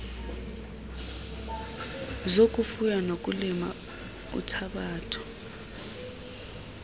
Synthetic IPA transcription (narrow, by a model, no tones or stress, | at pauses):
zokʼufujanok̬ʼulima̰ | ṵtʰaɓaːtʰɔ̥